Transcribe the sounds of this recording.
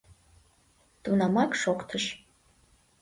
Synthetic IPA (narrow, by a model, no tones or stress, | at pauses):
d̥ʼunamakʼʂokʷʰʼtʰɨʂ